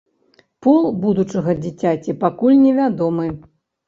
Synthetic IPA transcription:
pulˠbud̪ut͡ʂɐɣɐd͡zʲit͡sʲat͡sʲipakulʲnʲɛvʲad̪ɔmɨ

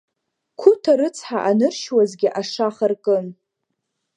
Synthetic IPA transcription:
kʷʰʊtʰaɾɨt͡sʰħaʔanɨrʃwazɡʲɪʔaʂaχarkʼɨm

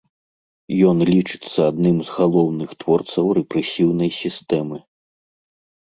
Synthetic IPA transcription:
jɔnlʲit͡ʂɨ̥t̪sːɐad̪nɨmzɣalˠɔwnɨxt̪vɔrt̪sɐwɾɛpɾɛsʲiwnɐjsʲist̪ɛmɨ

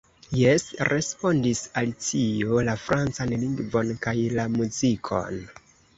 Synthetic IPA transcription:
jesɾʔe̞spo̞ndisaltio̞lafɾʔant͡sanliŋɡvo̞nkajlamuzikʰo̞̰n

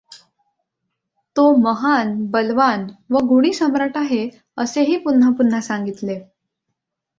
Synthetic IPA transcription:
t̪oməɦanbəlʋanʋəɡuɽ̃iːsəmɾaʈaɦe | əseɦiːpun̤ːapun̤ːasaŋɡit̪le

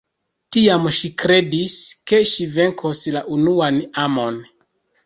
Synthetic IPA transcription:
tiamʃikɾe̞diske̞ʃive̞ŋkʰoslaʔunuanamo̞n

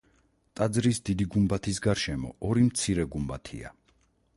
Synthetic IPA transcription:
t̪ʼad̪zɾisd̪id̪iɡumbat̪ʰisɡaɾʃɛmɔ̰ɔɾimt̪sʰiɾɛɡumbat̪ʰḭa̰

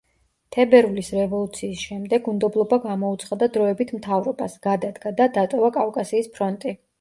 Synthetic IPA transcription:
t̪ʰɛbɛɾulisɾɛvɔlˠut̪sʰiːsʃɛmd̪ɛɡund̪ɔblˠɔbaɡamɔut̪sʰχad̪ad̪ɾɔɛbit̪ʰmt̪ʰavɾɔbasɡ̥ad̪ad̪ɡad̪ad̪at̪ʼɔvakʼafkʼasiːspʰɾɔnt̪ʼi

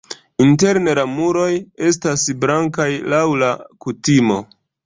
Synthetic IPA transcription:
inte̞ɾnelamuɾo̞je̞s̬tasbɾaŋkajlawlakutimo̞

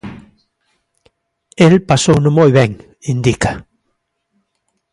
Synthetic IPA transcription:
elpasownʊ̃mojβɛŋ | ind̪ika

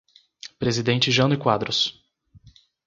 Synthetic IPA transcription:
pɾezid̪ẽnt͡ʃɪʒɐ̃nʊɪkwad̪ɾʊs

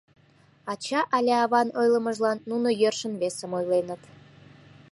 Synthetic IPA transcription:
ɑt͡ɕɑʔɑlʲeɑβɑnojlˠə̆mə̆ʒlˠɑnːunojørʃə̆nβesə̆mojlenə̆t̪

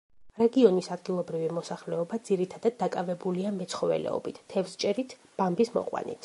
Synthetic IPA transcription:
ɾɛɡiɔnisad̪ɡilˠɔbɾivimɔsaχlɛɔbad̪z̥iɾit̪ʰad̪ad̪ːakʼavɛbuliamɛt̪sʰχɔvɛ̰lɛ̰ɔ̰bit̪ʰːɛvst͡ʃʼɛɾit̪ʰ | b̥ambismɔ̰qʼwa̰nḭt̪ʰ

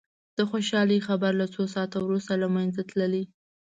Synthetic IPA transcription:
d̪̥əxoʃɑlixabaɾlat͡sosɑt̪awɾust̪alamajnzat̪ləli

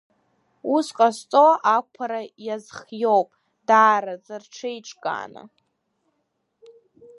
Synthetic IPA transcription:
usqʼast͡sʼoakʷʰaɾajazχjowpʼ | daːɾazarʈ͡ʂʰejʈ͡ʂʼkʼa̰ːna̰

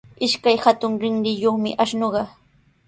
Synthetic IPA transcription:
ɪʃkajhat̪ʊŋɾɪŋɾɪjoχmɪ̰ʔaʃnoɢɑ

